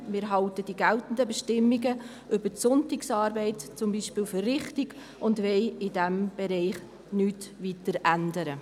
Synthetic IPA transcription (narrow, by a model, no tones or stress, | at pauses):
mɪːɾɦɑltəd̥iɡæltn̩dəbɛʃtɪmːiɡə | ʔʏbəsʊntiksɑːɾbɛɪtt͡sʊmbiːʃpɪːlfərrɪχtɪɡ̥ | ʊndʋɛɪɪdɛmb̥ɛɾɛɪχ | nyːtvitəɾændəɾə